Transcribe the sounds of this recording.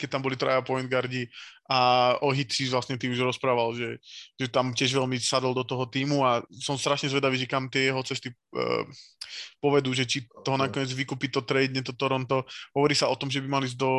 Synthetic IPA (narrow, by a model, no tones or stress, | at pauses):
kɛc̚t̪ambɔlit̪ɾa̰japɔjɛnɡaɾɟiʔaɔɦit̪siʋlasɲɛt̪iuʒɾɔspɾaːʋalʒɛʒɛt̪amcɪɛʒʋɛlmisad̪ɔl̩ˠd̪ɔt̪ɔɦɔt̪iːmuasɔmst̪ɾaʃɲɛzʋɛd̪aʋiːʒɛkamt̪ɪɛjɛɦɔt͡sɛst̪i | pɔʋɛd̪uːʒɛt͡ʃit̪ɔɦɔnakɔɲɛd͡zʋikuːpit̪ɔt̪ɾɛd̪ɲɛt̪ɔt̪ɔɾɔnt̪ɔɦɔʋɔɾiːsaɔt̪ɔmʒɛbimaliːzd̪ɔ